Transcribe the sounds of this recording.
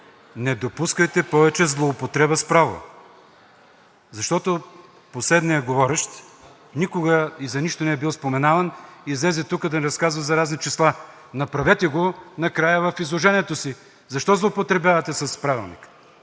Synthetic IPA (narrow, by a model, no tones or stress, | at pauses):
nɛd̪opuskəjt̪ɛpɔvɛt͡ʃɛzlˠoːpot̪ɾɛbɐspɾavo̰ | zɐʃt̪ɔt̪o | poslɛd̪niɐɡovɔɾɛʃt̪ | nikoɡəizɐniʃt̪onɛɛbilˠspomɛnavɐnizlɛzɛt̪ukəd̪ɐnɛɾɐskazvɐzɐɾaznit͡ʃɛslˠa | nɐpɾɐvɛt̪ɛɡonɐkɾajəvɐfizlˠoʒɛniɛt̪osi | zɐʃt̪ɔzlˠoːpot̪ɾɛbʲavɐt̪ɛsɐspɾavḭlˠnḭk